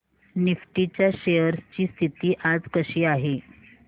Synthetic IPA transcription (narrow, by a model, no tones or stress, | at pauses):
nifʈit͡ɕjaɕejəɾst͡ɕiːst̪ʰit̪iːʔad͡zkəɕiːaɦe